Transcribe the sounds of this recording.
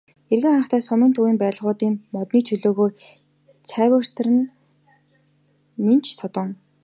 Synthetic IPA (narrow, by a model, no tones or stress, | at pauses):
erɣɘ̆ŋaːχt̪ʰæːsɔmĭnt̪ʰuwiːmpæːɮʁʊːt̪iːŋmɔt̪niːt͡ɕʰɵɮoːɣoː | t͡sʰæːwə̆r̥t̪̆rɘ̆n | int͡ɕʰsʰɔt̪ɞ̆ŋ